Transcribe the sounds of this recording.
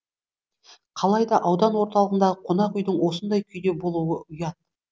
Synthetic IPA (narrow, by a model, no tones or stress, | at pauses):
qʰɑlˠɑjd̪ɑʔɑwd̪ɑnwo̞ɾt̪ɑlˠəʁənd̪ɑʁəqʰo̞nɑqʏjd̪ɪŋwo̞sənd̪ɑjkʲʰʏjd̪e̞bo̞lˠuwəʊjɑt̪̚